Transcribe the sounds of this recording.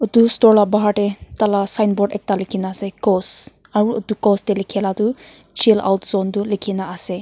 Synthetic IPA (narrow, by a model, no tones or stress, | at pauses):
ɔt̪ustɔɹlabaɦaʈɛt̪alasajnbɔɖɛk̚talekʰinaːsɛkɔs | aɹuot̪ukɔstɛlekʰiɛlat̪u | t͡ʃʰila̰wtzɔnt̪ulekʰinaːsɛ